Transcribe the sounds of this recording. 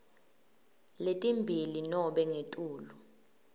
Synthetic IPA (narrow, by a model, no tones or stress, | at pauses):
letʼimbʱilinɔɓɛŋetʼuːlu